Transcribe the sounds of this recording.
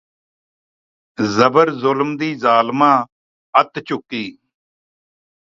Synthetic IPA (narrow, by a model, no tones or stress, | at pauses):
zəbəɾzʊlmd̪iːzaːlmãː | ət̪t͡ʃʊkːiː